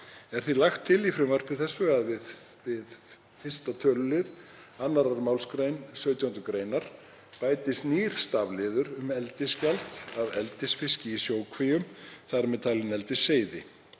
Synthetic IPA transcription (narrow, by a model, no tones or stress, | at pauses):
ɛɾ̥θilaxt̪ʰːɪlifɾɪmvar̥pɪθɛsːʏaðvɪð | vɪð | fɪ̥st̪at̪ʰœːlʏlɪðanːaɾaɾmawlskɾejnsœːɥt̪jahʏnt̪ʏkɾeːjnaɾ̥ | paːjt̪ɪst̪niɾ̥st̪avlɪːðʏɾʏmɛlt̪ɪscalt̪avɛlt̪ɪsfɪscɪisjoːwkʰvejʏmθaɾmɛðt̪ʰaːlɪnɛlt̪ɪseːjðɪ